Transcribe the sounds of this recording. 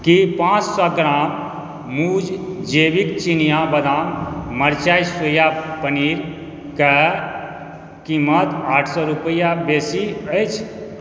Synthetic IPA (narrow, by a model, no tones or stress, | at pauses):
kipãt͡ʃsɔɡɾamː | ud͡ʒd͡ʒebikt͡ʃinijabəd̪amməɾt͡ʃajsojapəniɾ | ke | kimːət̪aʈʰsɔɾupəjabesiəjt͡ʃʰ